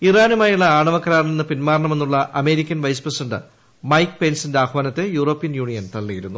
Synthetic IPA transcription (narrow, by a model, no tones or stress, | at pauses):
iraːnumaːjuɭːɐaːɳɐʋɐkːɐɾaːɾɐnenːɨpinmaːrɳɐme̞nːuɭːɐʔɐme̞ːɾikʲːɐnʋɐjsprɐsidɐɳɖɨ̰ | mɐjkːɨ̥pe̞nsindeaːkʋaːnɐt̪ːe̞juːro̞ːpːijɐnjuːɳijɐnt̪ɐɭːiɣɐɾunːu